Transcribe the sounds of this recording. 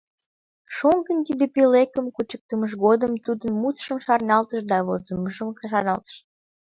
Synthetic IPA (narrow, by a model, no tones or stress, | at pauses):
ʃoŋkənkid̪epilekəmkut͡ɕək̚t̪əməʃ̬ɣod̪əmt̪ud̪ənmut̪ʃəmʃɑrnɑlt̪əʃd̪ɑβozəməʒəmkʃɑnɑlt̪ə̥ʃ